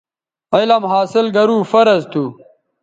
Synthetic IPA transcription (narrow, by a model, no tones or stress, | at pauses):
ɐjlɐmɦaːsilɡɐɾuːfɐɾɐzt̪ʰu